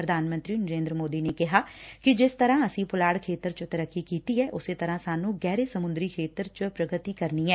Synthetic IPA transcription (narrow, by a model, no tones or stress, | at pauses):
ɾəd̪ʱaːnmə̃nt̪ɾiːnəɾẽːnd̪ɾəmoːd̪iːneːkɪɦaːkɪd͡ʒɪst̪əɾãːəsĩːpʊlaːɽkʰeːt̪əɾt͡ʃət̪əɾəkːiːkiːt̪iːɛːʔʊseːt̪əɾãːsaːnũːɡɛːɾeːsəmʊ̃nd̪ɾiːkʰeːt̪əɾt͡ʃəpɾəɡət̪iːkəɾniːɛː